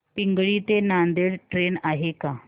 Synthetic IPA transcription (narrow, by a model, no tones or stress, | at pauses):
piŋɡɭiːt̪enand̪eɽʈɾenaɦeka